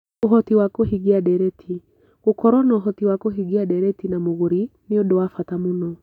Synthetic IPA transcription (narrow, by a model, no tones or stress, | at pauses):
oɦɔtiwakoɦiɣiadɛɾɛtʰi | ɣokɔɾwɔnaɦɔtiwakoɦiɣiadɛɾɛtinamoɣoɾineodowafatamonɔ